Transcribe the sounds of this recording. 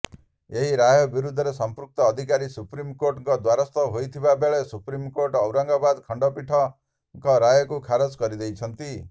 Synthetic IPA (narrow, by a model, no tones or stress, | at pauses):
eɦiɾajɔbiɾud̪ʱːɔɾesɔmpɾuk̚t̪ɔːd̪ʱikaɾisupɾimkoɾʈŋkɔd̪waɾɔst̪ɔɦojt̪ʰibabeɭesupɾimkoɾʈɔwɾaŋɡɔbad̪kʰɔɳɖɔpiʈʰɔ | ŋkɔɾajɔkukʰaɾɔd͡ʒkɔɾid̪ejt͡ʃʰɔnt̪i